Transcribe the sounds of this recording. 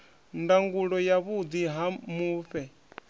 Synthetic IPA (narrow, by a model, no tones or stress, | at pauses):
ndaŋɡuɺɔjaβud̪iɦamuːɸɛ